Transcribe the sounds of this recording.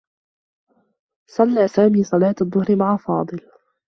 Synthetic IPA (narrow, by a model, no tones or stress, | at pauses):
sˤɑlːaːsaːmiːsˤɑlɑːt̪aðˤːʊhɾɪmaʕafɑːd̪ˤɨl